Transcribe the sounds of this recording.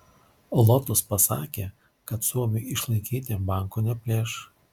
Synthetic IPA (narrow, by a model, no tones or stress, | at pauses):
lˠɔt̪ʊspɐsɑ̰ːkʲeː | kɐt̪suɔmʲʊjɪʃlˠɐɪkʲiːt̪ʲebɑˑŋkoːnʲɛpʲlʲeːʃ